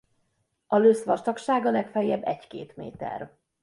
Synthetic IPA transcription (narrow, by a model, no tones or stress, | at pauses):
ɒløsʋɒrt̪ɒkʃaːɡɒlɛkfɛjɛbːɛckḛːt̪mḛːt̪ɛ̰r